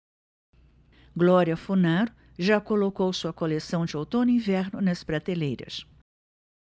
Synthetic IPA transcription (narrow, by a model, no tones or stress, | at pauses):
ɡlɔɾiɐfunaɾʊ | ʒakolokowsuɐkolesɐ̃w̃d͡ʒɪot̪õnʊĩvɛɾnʊnɐspɾat̪elejɾɐ̰s